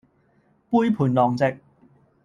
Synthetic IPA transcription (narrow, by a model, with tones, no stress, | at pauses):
puː˥jpʰuː˨˩nlɔː˨˩ŋt͡sɪ˨k̚